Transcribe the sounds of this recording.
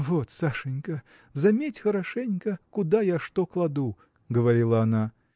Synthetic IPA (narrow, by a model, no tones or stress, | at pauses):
vɔt̪saʂɛnʲkɐ | zamʲet͡sʲxɐɾaʂɛnʲkɐkud̪ajaʂt̪ɔklˠad̪u | ɡəvaɾʲilˠɐːna